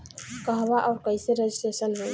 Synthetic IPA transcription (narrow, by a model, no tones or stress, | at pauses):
kəɦbaʔaʊɾkəjseɾed͡ʒisʈesənɦoj